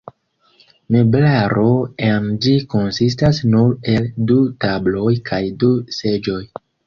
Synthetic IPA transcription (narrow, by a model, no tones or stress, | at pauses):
me̞blaɾo̞amd͡ʒiko̞nsis̬tasnuɾe̞ldutablo̞jkʰajduse̞d͡ʒo̞j